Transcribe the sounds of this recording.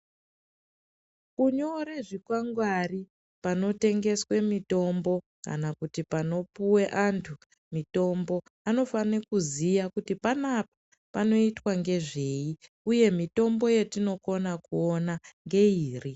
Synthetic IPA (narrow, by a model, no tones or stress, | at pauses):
kuɲoɾeʐikwaŋɡwari | pano̞te̞ŋɡe̞swe̞mito̞mbo̞ | ka̰nakutipano̞puwe̞ʔantʰu | mito̞mbo̞ | ano̞fanekuzijakutipanapḁ | pano̞itwaŋɡe̞ʐe̞i | uje̞mito̞mbo̞je̞tino̞ko̞nakuonaŋɡe̞iːri